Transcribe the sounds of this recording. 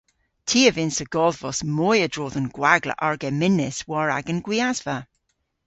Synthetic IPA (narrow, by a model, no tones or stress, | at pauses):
tʰiːəvɪnsəɡ̥ɔðvɔsmɔjədɹoːðənɡ̥waɡlə̰ʔaɹɡɛmɪnɪswɔɹa̰ɡənɡ̥wiazvə